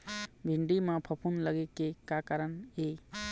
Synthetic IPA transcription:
bʱiɳɖimãpʰəpʰunləɡekekakaɾəne

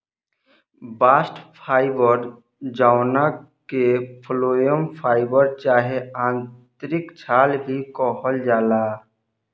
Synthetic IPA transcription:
baːsʈpʰaːɪbəɾ | d͡ʒaːʊna | kepʰloːjəmpʰaːɪbəɾt͡ʃaːɦeãːnt̪ɾɪkt͡ʃʰaːlbʱikɔːɦəld͡ʒaːlaː

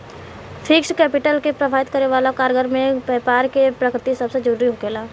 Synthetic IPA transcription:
fʰɪkskɛːpɪʈəlkepɾɐbʱaːɪt̪kəɾeʋaːlakaːɾɡəɾmẽpɛːpaːɾkepɾɐkɾɪt̪isɐbsed͡ʒəɾuːɾiɦoɡeːlaː

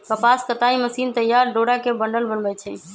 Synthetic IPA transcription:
kəpast̪ət̪aiməsint̪əjːaɾɖoɽakebəɳɖəlbənbɛt͡ʃʰɛ

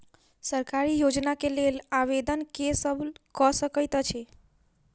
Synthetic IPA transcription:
səɾkaɾijod͡ʒnakelelaʋed̪ənkesəbkɔsəkəjt̪t͡ʃʰe

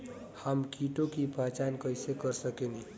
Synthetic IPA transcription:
hamkiʈokibʱat͡ʃankʌjsekʌɾsəkeni

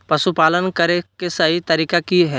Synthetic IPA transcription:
pɐsupaːlənkəɾekesaɦit̪ɐɾiːkakiɦɛː

